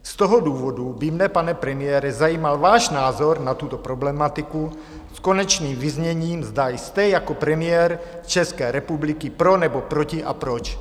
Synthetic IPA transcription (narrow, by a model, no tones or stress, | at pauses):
st̪oɦoduːvodubɪmnɛpanɛpɾɛmɪjɛːɾɛzajiːmalvaːʃnaːzoɾnat̪ut̪opɾoblɛmat̪ɪku | skonɛt͡ʃniːmvizɲɛɲiːmzd̪ajst̪ɛjakopɾɛmɪjɛɾt͡ʃɛskɛːɾɛpublɪkɪpɾonɛbopɾocɪʔa̰pɾot͡ʃ